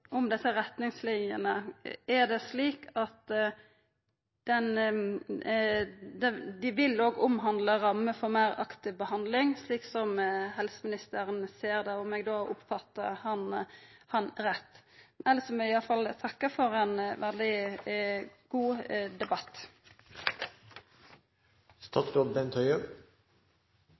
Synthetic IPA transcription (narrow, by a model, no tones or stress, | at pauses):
ʔɔmd̪ɛsːəɾɛt̪nɪŋslɪnjənəæd̪ɛsliːkʰɑt̪ | d̪̥ɛn | d̪ɛd̪ɪʋɪloːɡʊmɦɑnd̪ləɾɑmːəfɔɾmæɪɾɑkt̪ɪʋbəhɑnd̪lɪŋsliːksɔmɦɛlsəmɪnɪst̪əɾənseːɾd̪ɛɔmɛɡd̪oːʔʊ̰pfɑt̪ːə̰hɑnhɑnʁɛt̪ːɛlsɔmɛɪɑfɑlt̪ʰɑkːəfɔʁɛnʋɛld̪ɪ | ɡ̥uːd̪ɛbɑt̪ː | st̪ɑːt̪sklɔbɛnt̪ʰœʏə